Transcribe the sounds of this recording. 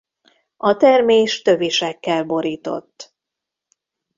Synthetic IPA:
ɒt̪ɛrmeːʃt̪ø̞viʃɛkːɛlbo̞ɾiːt̪o̞̰t̪ː

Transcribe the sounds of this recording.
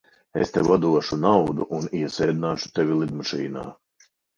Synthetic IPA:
ḛst̪ɛvad̪uɔʃunawd̪uʔuniɛsɛːd̪inaːʃu̥t̪ɛvʲilˠid̪maʃḭːna̰ː

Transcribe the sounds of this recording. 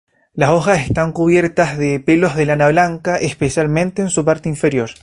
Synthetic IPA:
laso̞xase̞st̪aŋkuβje̞ɾt̪azðepelo̞zðelanaβlaŋkaʔespesjalmẽ̞nt̪eːnsupaɾt̪eiɱfe̞ɾjo̞ɾ

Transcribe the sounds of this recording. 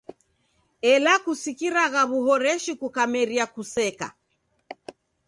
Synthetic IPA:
ɛlakusikiɾaɣaβuɦɔɾɛʃikukamɛɾiakusɛka̰

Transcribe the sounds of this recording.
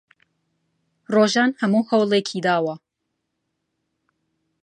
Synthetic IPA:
roːʒaːnhɐmuːhɐwlˠeːkʰiːd̪aːwɐ

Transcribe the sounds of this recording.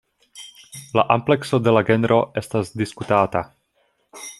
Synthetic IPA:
laʔample̞kso̞de̞laɡe̞nɾʔo̞ʔe̞stasdiskutata

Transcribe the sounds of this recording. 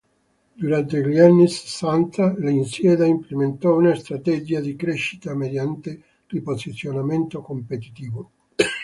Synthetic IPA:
d̪uɾant̪eʎianːise̥sːant̪alainsjɛːd̪aimplement̪ɔunast̪ɾat̪ɛd͡ʒiad̪ikɾeʃːi̥t̪amed̪jant̪e | riposit̪sːjonament̪okompet̪i̥t̪iːvo

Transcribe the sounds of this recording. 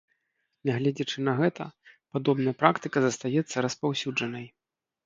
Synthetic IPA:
nʲɛɣlʲɛd͡zʲɐt͡ʂɨnɐɣɛt̪ɐ̰pad̪ɔbnɐjɐpɾakt̪ɨkɐzɐst̪ajɛt̪sːɐɾɐspawsʲud͡ʐɐnɐj

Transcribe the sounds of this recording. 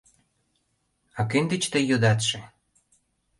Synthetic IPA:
ɑkenʲd̪ĕt͡ɕt̪əjod̪ɑt̪ʃĕ

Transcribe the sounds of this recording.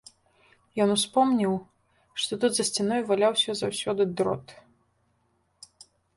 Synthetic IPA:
jɔnuspɔmnʲiw | ʂt̪ɔt̪ut̪zɐsʲt͡sʲinɔjvalʲawsʲɐzawsʲɔd̪ɨd̪ɾɔ̰t̪

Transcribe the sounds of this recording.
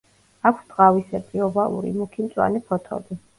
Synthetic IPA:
akʷʰsd̪ʼʁavisɛpʼiɔbalˠṵɾḭmukʰimt̪sʼwa̰nipʰɔt̪ʰɔ̰d̪i

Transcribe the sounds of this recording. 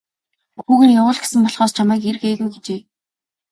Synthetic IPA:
xuːɣɘ̆njawʊːɮɡe̥sɘ̆mpɔɮχɔːst͡ɕʰamæːker̆xeːɣujɡet͡ɕeː

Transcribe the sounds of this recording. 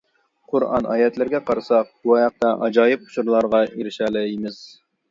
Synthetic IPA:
qʰʊɾɑ̰nʔɑ̰ːjɛt̪lɪɾɡʲɛqʰɑɾɨsɑq̚b̥uɑjɑq̚t̪ɑʔɑd͡ʒɑːjɨp̚qʰʊ̥ʃuɾlˠɑɾʁɑʔiɾɪʃɛːlɛjmɪz̥

